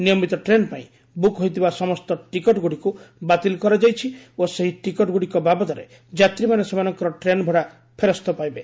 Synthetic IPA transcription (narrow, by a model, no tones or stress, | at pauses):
nijɔmit̪ɔʈɾenpaḭ̃ | bukɦɔjt̪ʰibasɔmɔst̪ɔʈikɔʈɡuɽikubat̪ilkɔɾad͡ʒajt͡ʃʰioseɦiʈikɔʈɡuɽikɔbabɔt̪ɔɾe | d͡ʒat̪ɾimanesemanɔŋkɔɾɔʈɾenbʱɔɽa | pʰeɾɔst̪ɔpajbe